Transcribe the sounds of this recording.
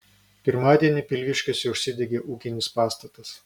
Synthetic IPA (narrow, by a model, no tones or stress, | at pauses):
pʲɪɾmɑːd̪ʲiɛnʲɪpʲɪlʲʋʲɪʃʲkʲoːsʲɛʊʃʲsʲɪd̪ʲɛɡʲeːʔuːkʲɪnʲɪspɑːst̪ɐt̪ɐs